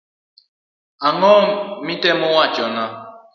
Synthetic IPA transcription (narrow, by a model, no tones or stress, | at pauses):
aŋɔmitemʊwat͡ʃɔna